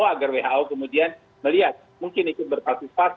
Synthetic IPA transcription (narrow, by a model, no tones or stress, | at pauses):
aɡarweɦaʔokəmudian | məliat̪̚muŋkɪnikʊt̪̚bərpasufat